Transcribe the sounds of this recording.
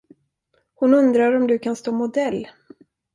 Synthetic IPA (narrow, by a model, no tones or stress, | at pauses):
hʊnɵnd̪ɾaɾɔmd̪ɵkʰanst̪oːmʊd̪ɛlː